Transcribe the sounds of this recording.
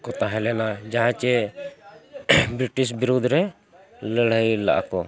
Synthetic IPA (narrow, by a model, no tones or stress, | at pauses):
kɔt̪aɦɛlɛnad͡ʒaɦãt͡ʃɛ | bɾiʈis̬biɾud̪ʱɾɛ | ləɽəjla̰ʔa̰kɔ